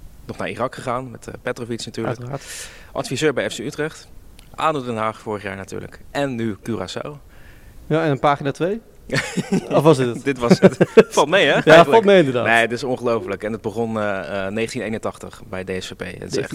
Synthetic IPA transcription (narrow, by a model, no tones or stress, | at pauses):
nɔχnaːɹḭrɑkχəχaːnmɛtpɛtrofitsnatyːɹləkː | ʔɑ̰tfizøːɹbɛjɛfseytrɛχt | ʔa̰ːdodɛnɦaːχfʊːɹəχjaːɹnaty̰ːɹlə̰kɛnːykyra̰ːsa̰w | jaɛnənpaːχinaːtʋej | ɔfʋɑsdɪdɪtʋɑsfɑlˠtmɛjɛjaχəlɑlˠmɛjɪndədaːneətɪsɔ̃nχəlowfələkɛndəd̚bəχɔnənejχəntinejnəntɑχtəχbɛjdeɛsfepḛjə̰tɪsɛ̰χ